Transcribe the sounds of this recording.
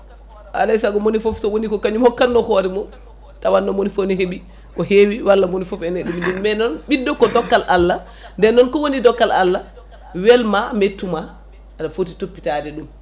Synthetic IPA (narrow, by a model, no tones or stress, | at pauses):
ʔa̰lajsaɡɔmonifɔfsɔwonikɔkaɲumhɔkːanːɔkɔɾɛmɔ | tawanːɔmonifoniɦeɓi | kɔhewiwalːamonifɔfɛnɛɗumiɗumːɛnɔnɓidːɔkɔdɔkːalʔalːa | ndɛnːɔnkɔwonidɔkːalʔalːa | wɛlmametːumaː | dafotitopːitadɛɗum